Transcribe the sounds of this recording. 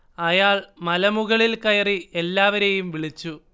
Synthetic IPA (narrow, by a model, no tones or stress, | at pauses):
ɐjaːɭmɐlɐmuɣɐɭilkɐjɐrie̞lːaːʋɐɾejumʋiɭit͡ɕːu